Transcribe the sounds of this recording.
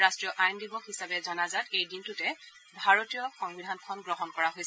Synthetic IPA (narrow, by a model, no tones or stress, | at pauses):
ɹastɹijɔʔajndibɔkhisabɛzɔnazatejdintʊtɛ | bʱaɹotijɔxɔŋbidʱankʰɔnɡɹoɦɔnkɔɹaɦojsɛ